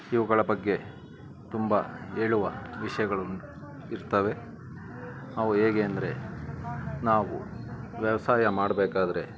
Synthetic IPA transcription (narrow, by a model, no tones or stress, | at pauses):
iʋɐɡɐɭɐbɐɡːe̞ | t̪umbɐeːɭuʋɐ̰ʋiʂɐjɐɡɐɭunu | iɾt̪ɐʋe̞ | ɐʋuɦeːɡeːɐnd̪ɐɾe̞ | naːʋṵʋjɐʋɐsaːjɐmaːɽbeːkaːd̪ɐɾe̞